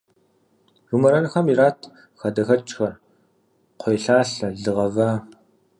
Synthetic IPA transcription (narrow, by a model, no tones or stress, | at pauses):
rumɐɾɐnxɐmiɾaːtʰ | xɐdɐxɐt͡ʃʼxɐr | qʷʰojɬaːɬɐɮɨʁɐvaː